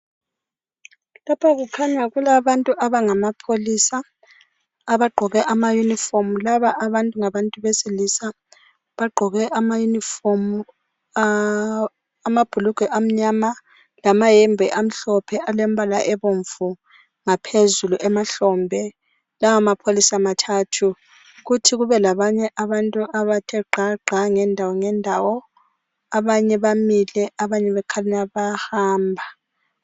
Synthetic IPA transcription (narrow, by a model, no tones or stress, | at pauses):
lapʰaɣukʰaɲaɣulaβantʼuʔaβaŋamapʰolisaː | βaɡ͡ǃʱɔɣɛʔamajunifomulaβaʔːβantʼuŋaβantʼuβesilisa | βaɡ͡ǃʱɔɣɛʔamajunifomu | mab̥ʱuluɡ̥ʱwɛʔam̩ɲama | lamajɛmbʱɛʔam̩ɬɔpʰɛʔalɛm̩bala̰ʔɛβoɱvu | ŋapʰezuluʔɛmaɬɔːmbʱɛ | lawamapʰolisamatʰatʰu | ɣutʰiɣuβɛlaβaɲɛʔaβantʼuʔaβatʰɛɡ͡ǃʱaɡ͡ǃʱaŋɛndʱawɔŋɛndʱawɔ | aβaɲɛβamilɛʔaβaɲɛβɛkʰalinaβahaːmbʱa